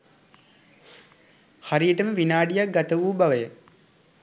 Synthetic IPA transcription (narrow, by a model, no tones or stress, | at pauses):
haɾijəʈəməʋinaːɖijak̚ɡat̪əʋuːbaʋəjə